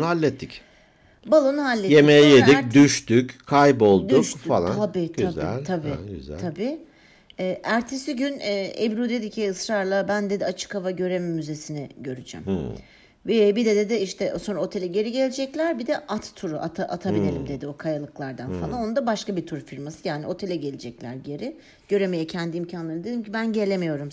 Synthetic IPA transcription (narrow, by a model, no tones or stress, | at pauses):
alʲːɛt̪ʰːic | balˠonuɦalʲːɛt̪jemejjeik̚d̪yʃt̪yckʰajpo̞lˠdd̪ʊyʃkffa̰lˠa̰abiːt̪ʰazæ̰lt̪ʰabḭːɟ̰zæ̰t̪ʰabiː | ɛːʔæɾt̪ʰesiɟynɛebɾud̪ed̪icʰiɯsɾaɾlˠabænd̪e̞d̪iat͡ʃʰɯ̥kavaɟø̞ɾemimːyze̞sinɛɟø̞ɾyd͡ʒɛ̰m | vɛbid̪ɛd̪e̞d̪ɪiʃt̪ʰɛʔso̞nɾaot̪ʰe̞lʲɛɟe̞ɾiɟe̞lʲed͡ʒɛclʲæɾbid̪ɛʔat̪t̪ʰːuɾuʔat̪ʰaʔat̪ʰabilʲe̞lʲimd̪e̞d̪io̞kʰajalˠɯklˠaɾd̪anfalˠano̞nd̪abaʃkabit̪ʰuɾfiɾmasɯjaːnio̞t̪ʰe̞lʲɛɟe̞lʲed͡ʒɛclʲæ̰ɾɟe̞ɾɪ | ɟ̥ø̞ɾe̞mejɛcʰænd̪imcʰanlˠaɾnd̪ed̪imcʰibænɟe̞lʲe̞mejo̞ɾum